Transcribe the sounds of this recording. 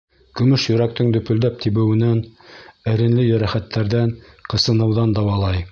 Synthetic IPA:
kɵ̆mɵʃjɵ̆ɾæk̚t̪ɘŋd̪ɵ̆pɵ̆ld̪æp̚t̪ʰiβɘ̆wɘ̆nænɘ̆ɾɘ̆nlɘjɵ̆ɾæχæt̪ːæɾðæŋqɤ̆sɤ̆nɤ̆wðɑnd̪ɑwɑlˠɑj

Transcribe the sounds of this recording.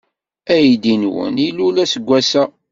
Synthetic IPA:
æjd̪inwə̰nilulæsəɡʷːæsæ

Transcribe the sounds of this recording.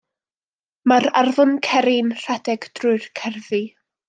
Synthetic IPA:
maɾarðɔnkʰɛɾɪnr̥adɛɡd̥rʊɨrkʰɛrvi

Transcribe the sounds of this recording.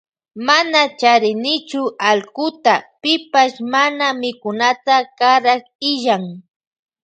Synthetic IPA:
manat͡ʃaɾɪnɪt͡ʃʊalkʊt̪apɪpaʃmanamɪkʊnat̪akaɾak | ɪʒaŋ

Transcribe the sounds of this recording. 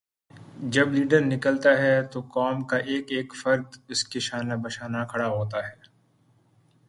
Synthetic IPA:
d͡ʒɐbliːɖəɾnɪkəlt̪aɦɛt̪okaːmkaʔeːkeːkfɐɾd̪ɪskeʃaːnabɐʃaːnakʰɐɽaɦoːt̪̬aɦɛː

